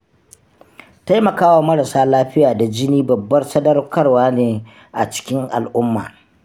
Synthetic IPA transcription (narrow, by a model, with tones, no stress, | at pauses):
ta˦jmɐ˨kaː˦wa˨mɐ˦ɽa˨saː˦laː˦ɸɪ˦jaː˨da˨d͡ʒɪ˦niː˦bɐ˨bːɐ˦rsɐ˦dɐ˦rkɐ˦rwaː˦neː˨ | ʔa̰˨t͡ʃɪ̥˦kʲɪ˦ŋʔa̰˨lʔʊ˦mːa̰ː˨